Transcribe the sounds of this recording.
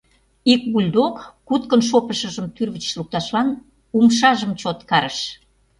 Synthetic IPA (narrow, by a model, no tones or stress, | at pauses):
ik̚βulʲd̪okː | ut̪̚kənʃ̬opəʃə̆ʒəmt̪yrβət͡ɕluk̚t̪ɑʃlɑn | umʃɑʒəmt͡ɕot̪kɑɾəʃ